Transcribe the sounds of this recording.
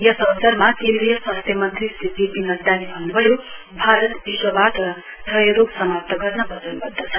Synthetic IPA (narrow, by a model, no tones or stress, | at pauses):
jʌsʌɦsʌɾmakend̪ɾijʌswʌ̃nst̪ʰjʌmʌnt̪rist̪d͡zipinʌzd̪anibʱʌnːubʱʌjo | bʱaɾʌt̪biʃwʌbaʈʌ | dʌjɾoɡsʌmap̚t̪ʌɡʌɾnʌbʱʌd͡zənubʌɾd̪ʌt͡sʰʌ